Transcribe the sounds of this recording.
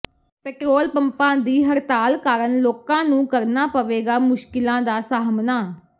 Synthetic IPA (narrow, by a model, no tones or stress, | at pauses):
pɛːʈɾoːlpəmpãːd̪iːɦəɾt̪aːlkaːɾənloːkãːnũːkəɾnaːpəʋeːɡaːmʊʃkɪlãːd̪aːsaːɦmnaː